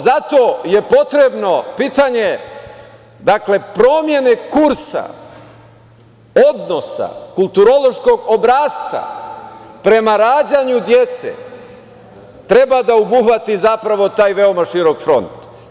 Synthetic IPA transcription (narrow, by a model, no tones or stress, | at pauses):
zat̪o̞je̞po̞t̪ɾe̞bno̞piːt̪aɲe̞ | d̪akle̞pɾo̞ːmje̞ne̞kuɾsa̰ | od̪no̞sa̰kulˠt̪uɾo̞lo̞ʃko̞ɡobɾaːst̪sa̰ | pɾe̞maɾaːd͡ʑaɲud̪je̞t̪sḛ | t̪ɾe̞bad̪aobuxʋat̪izapɾaʋo̞t̪aːjʋe̞o̞maʃiɾo̞kfɾo̞̰nt̪